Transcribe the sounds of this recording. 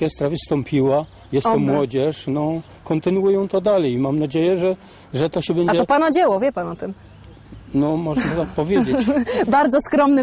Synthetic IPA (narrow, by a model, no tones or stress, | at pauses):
ɛst̪ɾavʲist̪ɔmpʲiwa | jɛsɛmwɔd͡ʑɛʂnɔ | kɔnt̪ɘnuujɛ̃w̃t̪ɔd̪alɛjmamnad͡ʑejɛʐɛ | ʐɛt̪ɔɕɛbɛɲad͡ʑɛɔpanad͡ʑɛwɔvʲjɛpanɔt̪ɘm | nɔmɔʐnt̪ɔt̪ak̚pɔvʲjed͡ʑet͡ɕbaɾd̪zɔskɾɔmnɘ